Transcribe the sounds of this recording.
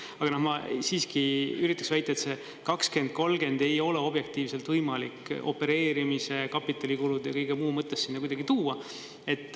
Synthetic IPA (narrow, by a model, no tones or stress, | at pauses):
ɑɡ̥ɑnohmɑsiːskiyɾit̪ːˑɑksvæjt̪ːˑɑet̪se̞ | kɑkske̞nd̪̥̚ko̞lɡ̥e̞nd̪̥e̞jo̞leo̞b̥je̞k̚t̪iːvselt̪vɤjmɑliko̞̰pe̞ɾe̞ːɾimise̞kɑpːˑit̪ːˑɑlʲikulud̪jɑ̰kɤjɡ̥emuːmɤt̪ːˑesːinːɑkujd̪̥ɑɡ̥it̪uːɑ | e̞t̪ːˑ